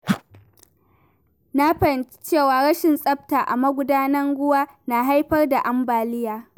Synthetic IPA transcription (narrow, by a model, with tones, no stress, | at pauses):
na˦ɸɐ˨n˦t͡ʃeː˦˨waː˨ɽɐ˦ʃɪ˨nsʼɐ˦b̚taː˨ʔa̰˨mɐ˦ɡʷʊ˦daː˦nɐ˦ŋɡʷʊ˦waː˦na˨ɦa˦jɸɐ˦rda˨ʔa˦mbaː˨lɪ˦jaː˨